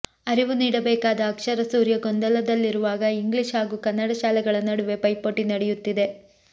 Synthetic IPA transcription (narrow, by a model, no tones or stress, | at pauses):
ɐɾiʋuniːɽɐbɛːkaːd̪ɐːkʂɐɾɐsuːɾjɐɡond̪ɐlɐd̪ɐlːiɾuʋaːɡɐiŋɡliʂɦaːɡuːkɐnːɐɽɐʃaːlɛɡɐɭɐnɐɽuʋe̞pɐjpoʈinɐɽɛjut̪ːid̪e̞